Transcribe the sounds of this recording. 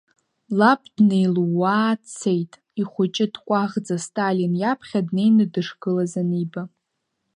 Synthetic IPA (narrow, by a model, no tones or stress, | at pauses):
lapʰʼdne̞jluwaːt͡sʰejtʼ | iχʷʊt͡ʃʼɪdkʷʼaʁd͡zastʼalinjapʰχʲadne̞jnɨdɨʂɡɨlazaniba